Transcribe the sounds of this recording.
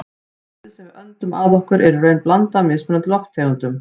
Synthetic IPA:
ɪsɛmvɪœnt̪ʏmʔa̰ːðɔhkʏɾʔɛɾrœːɥnplant̪amɪðsmʏnʏt̪lɔft̪ʰːeɣʏnt̪ʏm

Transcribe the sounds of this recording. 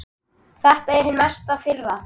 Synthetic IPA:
θɛht̪aɛɾ̥hʏnmɛst̪afɪɾva

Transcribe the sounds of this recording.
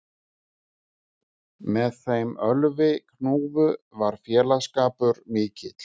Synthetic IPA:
mɛðθejmœlvɪkʰnuːvʏvaɾ̥fjɛːlaskaːpʏɾmɪːcɪt̪l̥

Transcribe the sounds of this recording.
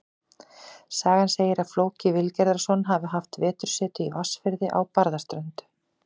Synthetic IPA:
saːɣanseːjɪɾaðfloːwcɪvɪlcɛɾðaɾ̥sɔnɦavʏɦaft̪vɛːt̪ʏɾ̥sɛːt̪ʏiɔsfɪɾðɪʔa̰wpaɾðast̪ɾœnt̪

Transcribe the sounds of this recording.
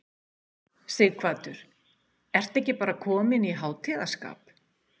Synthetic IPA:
sejðkʰvaːt̪ʏɾ̥ | ɛr̥t̪ɛhcɪpaːɾakʰɔːmɪniɦaːwt̪ʰɪːðḁska̰ːp

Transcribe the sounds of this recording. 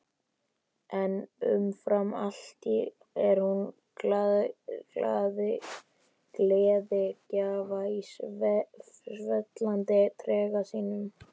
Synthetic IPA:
ɛnʏ̰mfɾamal̥t̪i | ɛɾ̥hun | akla̰ːðɪ | kleːðɪcaːvai | vɛt̪lant̪ɪt̪ʰɾɛːɣasiːnʏm

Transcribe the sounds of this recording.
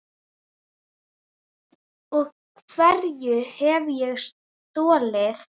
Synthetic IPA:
ɔɣkʰv̥ɛɾjʏhɛvjɛɣs | t̪ɔːlɪθ

